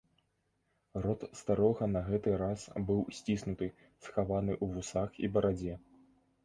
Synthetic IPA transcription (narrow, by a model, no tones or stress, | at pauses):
ɾɔt̪st̪aɾɔɣɐnɐɣɛt̪ɨɾasbɨwsʲt͡sʲisnut̪ɨ | sxavanɨʔuvusaxibɐɾad͡zʲɛ